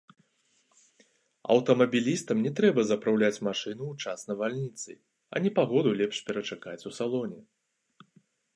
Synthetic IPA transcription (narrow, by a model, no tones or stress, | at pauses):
ɐ̰wt̪ɐmɐbʲilʲist̪ɐmnʲɛt̪ɾɛbɐzɐpɾawlʲat͡sʲmaʂɨnuːt͡ʂasnɐvalʲnʲit̪sɨ̰ | ɐ̰nʲɛpaɣɔd̪ulʲɛpʂpʲɛɾɐt͡ʂakat͡sʲusalˠɔnʲɛ